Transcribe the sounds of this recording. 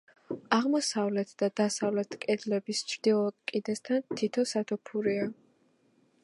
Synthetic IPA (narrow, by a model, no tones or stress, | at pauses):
aʁmɔsavlɛt̪ʰd̪̥ad̪asavlɛt̪ʰkʼɛd̪lɛbist͡ʃʰɾd̪̥ilˠɔkʼid̪ɛst̪ʰant̪ʰit̪ʰɔsat̪ʰɔpʰuɾia